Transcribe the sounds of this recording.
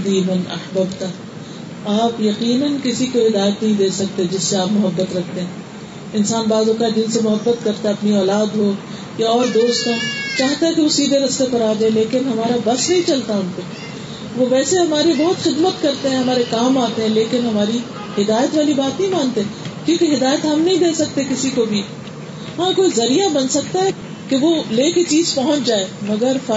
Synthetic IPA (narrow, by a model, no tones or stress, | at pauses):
d̪iːmɐnɐ̰hbəbt̪a | aːpjɐqiːnənkɪsikoɦɪd̪aːjət̪nɐɦĩd̪eːsɐk̚t̪ed͡ʒɪsːeaːpmʊɦɐbːət̪ɾɐk̚ʰt̪ẽɦɛ̃ː | ɪnsaːnbaːzoːkad͡ʒɪnsemʊɦɐbːət̪kɐɾt̪aɐpniɔːlaːd̪ɦoː | jaɔːɾd̪oːst̪ɦɛ̃t͡ʃaːɦt̪aɛ̃keʋosiːd̪ʱeɾɐst̪epɐɾaːd͡ʒɐẽleːkɪnɦɐmaːɾabɐsnɐɦĩt͡ʃɐlt̪aɦʊnpe | ʋoʋɛːseɦɐmaːɾibɐɦʊt̪xɪd̪mət̪kɐɾt̪eɦɛ̃ɦɐmaːɾekaːmaːt̪eɦɛ̃leːkɪnɦɐmaːɾi | hɪd̪aːjət̪ʋaːlibaːt̪nəɦĩmãːnt̪eɦɛ̃kjũːkeɦɪd̪aːjət̪ɦɐmnɐɦĩd̪eːsɐk̚t̪ekɪsikobʱi | ɦãːkoːizɐɾijabɐnsɐk̚t̪aɦɛ | keʋoleːket͡ʃiːzpɐɦʊ̃t͡ʃd͡ʒaːeːmɐɡəɾfa